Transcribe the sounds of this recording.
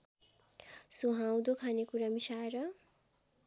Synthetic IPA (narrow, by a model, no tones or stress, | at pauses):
suɦãw̃d̪okʰanekuɾamisaɾʌ